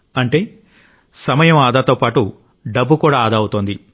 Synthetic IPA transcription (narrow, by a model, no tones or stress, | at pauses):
ɐɳʈe̞ː | sɐmɐjɐmaːd̪aːt̪o̞ːpaːʈu | ɖɐbːukuːɽaːaːd̪ɐːwut̪oːnd̪i